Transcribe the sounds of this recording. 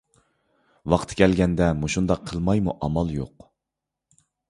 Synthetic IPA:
wɑqʰt̪ʰkʲʰɛlɡʲɛnd̪ɛmuʃund̪ɑqʰːəlˠmɑjmuʔɑmɑlˠjo̰q

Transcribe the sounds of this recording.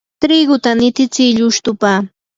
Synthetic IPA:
t̪ɾɪɡʊt̪anɪt̪ɪt͡sɪʎʊʃt̪ʊpa

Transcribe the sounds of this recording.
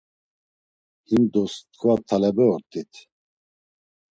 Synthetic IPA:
himd̪ɔst̪̚kʰvat̪ʰalɛbɛɔɾt̪ʼit̪ʰ

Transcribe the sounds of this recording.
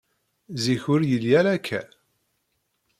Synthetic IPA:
ziçʊɾjəljæɾækʰːæ̰

